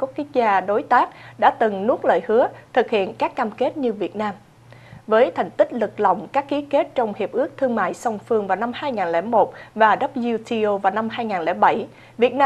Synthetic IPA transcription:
ku˦˥t̚ki˦˥k̚zaː˧ɗo˨˦jt̪aː˦˥k̚ɗa̰ː˧˥t̪ɨ˨˩ŋnu˦˥t̚lə̰ː˧˨jhɨ˨˦ət̪ʰɨ˨˩k̚hḭ˧˨ənkaː˦˥kːaː˧mke˦˥t̚ɲɨ˧vi˨˩ət̚naː˧m | vəː˨˦jt̪ʰɛ˨˩jŋ̟t̪ï˦˥k̟̚lɨ˨˩k̚lɔ˨˩wŋ͡mkaː˦˥kːi˨˦ke˦˥t̚t͡ɕɔ˧wŋ͡mhi˨˩əp̚ʔɨ˦˥ək̚t̪ʰɨ˧əŋma̰ː˧˨jsɔ˧wŋ͡mfɨ˧əŋvaː˨˩wna˧mhaː˧jŋaː˨˩nlɛ˧˩mo˨˩t̚vaː˨˩ɗə˦˥p̚zi˧wt̪ʰi˧ʔo˧vaː˨˩wna˧mɦaː˧jŋaː˨˩nlɛ̰˧˩ɓa˧˩j | vi˨˩ət̚na˧

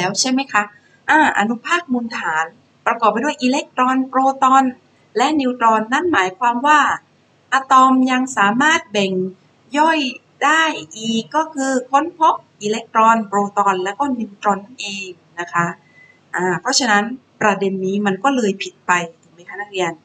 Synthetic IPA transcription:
lɛː˦˥wt͡ɕʰa˥˩jma˦˥jkʰa˦˥ʔ | ʔaː˧˩ʔa˧nu˦˥pʰaː˥˩k̚muː˧nt̪ʰaː˩˦n | pɾa˧kɔ˨˩p̚a˧˦du˥˩˨jʔiː˧le˦˥k̚t̪ɾɔː˧npɾoː˧t̪ɔː˧n | lɛ˦˥ʔniː˧wt̪ɾɔː˧nːa˦˥˩nmaː˩˦jkʰwaː˧mwaː˥˩ | ʔaː˧t̪ɔ˧mja˧ŋsaː˩˦maː˥˩t̪̚bɛ˨˩ŋ | jɔ˥˩j | daː˥˩jʔiː˨˩kːɔː˥˩kʰɯː˧kʰo˧˦˥npʰo˦˥p̚ʔiː˧le˦˥k̚t̪ɾɔː˧npɾoː˧t̪ɔː˧nlɛː˦˥wkɔː˥˩ni˧wt̪ɾɔ˧nːa˥˩nʔeː˧ŋ | na˦˥kʰa˦˥ | ʔaː˧˩pʰɾɔ˦˥t͡ɕʰa˧na˦˥npɾa˧de˧nːiː˦˥ma˧nkɔː˥˩lɤː˧jpʰi˨˩t̪̚pa˧ju˨˩ma˦˧j̪kʰaː˧˥˩naː˥˩ɾi˧ən

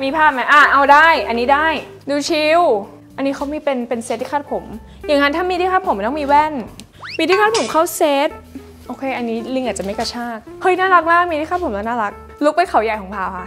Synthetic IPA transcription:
miː˧pʰaː˥˩ma˦˥jʔa˧˩ʔa˧wdaː˥˩jʔa˧nːiː˦˥daː˥˩j | duː˧t͡ɕʰi˧w | ʔa˧nːiː˦˥kʰa˨˦˥wmiː˧pe˧npe˧nse˧˦t̪̚ʰːiː˥˩aː˥˩t̪̚pʰo˩˦m | jaː˨˩ŋna˦nt̪ʰaː˥˩miː˧t̪ʰi˦˥˩aː˦˥˩pʰo˨˩˦m˧˦nɔ˥˩miː˧wɛ˥˩n | miː˧t̪ʰiː˥˩kʰa˥˩pʰo˩˦mkʰa˥˩wseː˦˥t̪̚ | ʔoː˧kʰeː˧ʔa˧nːiː˦˥li˧ŋʔaː˨˩t̚t͡ɕa˨˩ma˥˩ka˧˩t͡ɕʰaː˥˩k̚hɤ˦˥˩jnaː˥˩la˦˥k̚maː˥˩k̚miː˧t̪ʰi˥˩kaː˦˥˩p̚ʰo˩˦lɛ˧˦˥wnaː˥˩la˦˥k̚ | lu˦˥k̚pa˧jkʰa˨˩˦wja˨˩jkʰɔ˨˩˦ŋpʰaː˧˩wxa˧˥

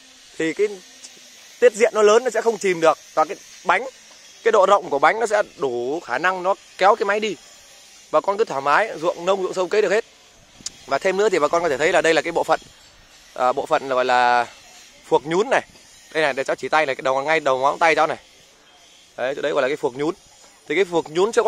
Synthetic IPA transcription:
t̪ʰi˨˩kaː˨˦j | t̪i˦˥t̚zḭ˧˨ənːɔ˨˦ləː˨˦nːɔ˨˦sɛ̰˧˥xə˧wŋ͡mt͡ɕi˨˩mɗɨ˨˩ək̚vaː˨˩kaː˨˦j | ɓa˨˦jŋ̟ | kaː˨˦jɗo̰˧˨zə̰˧˨wŋ͡mku˧˩əɓa˨˦jŋ̟nɔ˨˦sɛ̰˧˥ɗu˧˩xaː˧˩na˧ŋnɔ˨˦ | kɛ˨˦wk̬aː˨˦jma˨˦jɗi˧ | ɓaː˨˩kɔ˧nkɨ˨˦t̪ʰwaː˧˩maː˨˦jzṵ˧˨əŋnə˧wŋ͡mzṵ˧˨əŋsə˧wŋ͡mkə˨˦ɗɨ˨˩əkhe˦˥t̚ | vaː˨˩t̪ʰe˧mnɨ̰˧˥t̪i˨˩ɓaː˨˩kɔ˧nkɔ˦tʰe˧˩tʰə˨˦jlaː˨˩ɗə˧jla˨˩kaː˨˦jɓo̰˧˨fə̰˧˨n | ʔəː˨˩ɓo̰˧˨fə̰˧˨na˨˩ɣɔ̰˧˨jlaː˨˩ | fu˨˩ək̚ɲu˨˦nːa˨˩j | ɗə˧jna˨˩jɗt͡ɕa˨˦wt͡ɕi˧˩t̪a˧jna˨˩kaː˨˦ɗə˨˩wŋa˧jɗə˨˩wŋwaː˨˦nt̪a˧jt͡ɕa˧wna˨˩j | ʔə˨˦jə˧jɣɔ̰˧˨laː˨˩˨fək̚ɲu˨˦n | t̪ʰi˨˩kaː˨˦jfu˨˩ək̚ɲu˨˦nt͡ɕɨ˧k

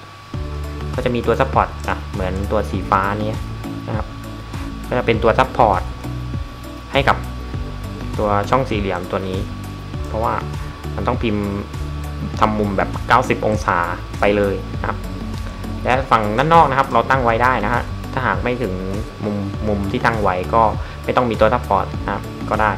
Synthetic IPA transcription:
kʰaː˥˩t͡ɕa˨˩ʔmiː˧t̪u˧ɐsa˦˥˩pʰːɔː˨˩t̪̚ʔa˨˩mɯ˩˦nt̪u˧ɐsiː˨˩˦faː˦˥˧niː˦˥ɐna˦˥kʰa˦˥p̚ | kʰɔ˥˩t͡ɕa˨˩pe˧nt̪u˧ɐsa˦˥pʰːɔː˨˩t̪̚ | ha˥˩jka˨˩p̚ | t̪u˧ɐt͡ɕʰɔ˥˩ŋsiː˨˩˦li˨˩˦əmt̪u˧ɐniː˦˥ | pʰɔ˦˥waː˥˩ma˧nt̪ɔ˥˩ŋpʰi˧m | t̪ʰa˧mːu˧mbɛː˨˩p̚kaː˥˩wsi˨˩p̚ʔo˧ŋsaː˩˦ | pa˧jlɤː˧jkʰa̰˦˥p̚ | lɛ˦˥fa˨˩ŋna˥˩nːɔː˥˩k̚na˦˥kʰa˦˥p̚ɾa˧wt̪a˥˩ŋwa˦˥jdaː˥˩jna˦˥kʰa˦˥p̚t̪ʰaː˥˩ɦaː˨˩˦k̚ma˥˩jt̪ʰɯ˩˦ŋ | mu˧mːu˧mt̪ʰiː˥˩t̪a˥˩ŋwa˦˥jkɔː˥˩ma˥˩jt̪ɔ˥˩ŋmiː˧t̪u˧ɐt̪ʰa˦˥pʰːɔː˨˩t̪̚na˦˥a˦˥p̚ | kɔː˥˩daː˥˩j

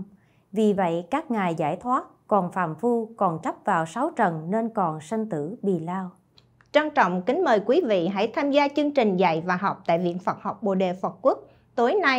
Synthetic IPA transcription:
vi˨˩və̰˧˨jkaː˦˥k̚ŋaː˨˩jzaː˧˩jt̪ʰwaː˦˥t̚kɔ˨˩nfaː˧˩mfu˧kɔ˨˩nt͡ɕa˦˥p̚vaː˨˩wsa˨˦wt͡ɕə˨˩nne˧nkɔ˨˩nsa˧ŋ̟t̪ɨ˧˥ɓḭ˨laː˧w | t͡ɕa˧ŋt͡ɕɔ̰˧˨wŋ͡mkï˨˦ŋ̟məː˨˩jkwi˨˦vḭ˧˨ɦa̰˧˥jt̪ʰaː˧mzaː˧t͡ɕɨ˧əŋt͡ɕï˨˩ŋ̟za̰˧˨jvaː˨˩ɦɔ˨˩wk͡p̚t̪a̰ː˧˨jvḭ˧˨ənfə˨˩t̚hɔ˨˩wk͡p̚ɓo̰˧˨ɗe˨˩fə˨˩t̚ku˦˥ək̚ | t̪o˨˦jna˧

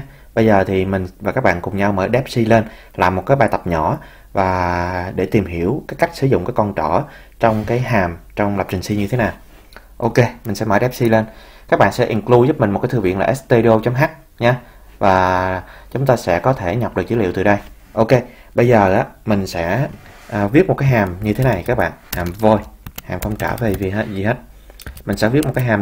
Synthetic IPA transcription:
ɓə˧jzəː˨˩t̪ʰi˨˩mï˨˩ŋ̟vaː˨˩kaː˦˥k̚ɓa̰ː˧˨nkʊ˨˩ŋ͡mɲa˧wməː˧˦jɗɛ˦˥p̚si˧le˧n | laː˨˩mːo˨˩t̚kaː˨˦jɓaː˨˧˩t̪ə˨˩p̚ɲɔ˧˩ | vaː˨˩ɗe˧˩t̪i˨˩mɦi˧˩əwkaː˨˦jka˦˥k̟sɨ˧˩˦zʊ̰˧˨ŋ͡mkaː˨˦jkɔ˧nt͡ɕɔ˧˩ | t͡ɕɔ˧wŋ͡mkaː˨˦jɦaː˨˩mt͡ɕɔ˧wŋ͡mla˨˩p̚t͡ɕï˨˩ŋ̟si˧ɲɨ˧t̪ʰe˨˦naː˨˩w | ʔo˧ke˧mï˨˩ŋ̟sɛ̰˧˥məː˧˦jɗɛ˦˥p̚si˧le˧n | kaː˦˥k̚ɓa̰ː˧˨nsɛ̰˧˥ʔi˨˩nklu˧zʊ˦˥p̚mi̟˨˩m˨˩t̚kːaː˨˦t̪ɨ˧vḭ˧˨əlaː˨ʔɛː˦˥t̪e˧ɗi˧o˧t͡ɕɔ˧˦ŋ͡mɦa˦˥k̚ | ɲaː˧ | vaː˨˩t͡ɕʊ˨˦ŋ͡mt̪aː˧sɛ̰˧˥kɔ˨˦t̪ʰe˧˩ɲa˨˩p̚ɗɨ˨˩k̚t͡ɕi˨˦lḭ˧˨wt̪ɨ˨˩ɗə˧j | ʔo˧ke˧ɓə˧jzəː˨˩ʔaː˨˦mï˨˩ŋ̟sɛ̰˧˥ʔːvi˦˥t̚mo˨˩t̚kaː˨˦jɦaː˨˩mɲɨ˧t̪ʰe˨˦na˨˩jkaː˦˥k̚ɓa̰ː˧˨nhaː˨˩mvo˧jhaː˨˩mxə˧wŋ͡mt͡ɕaː˧˩ve˨˩vi˨˩˦zi˨˩heː˦˥t̚mï˨˩ŋ̟sɛ̰˧˥vi˦˥t̚m̚˨˩kaː˨˦jɦaː˨˩m

